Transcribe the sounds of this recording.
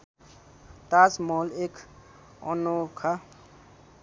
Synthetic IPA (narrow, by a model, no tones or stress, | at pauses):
t̪aːsmoːlek | ɔ̰nokʰa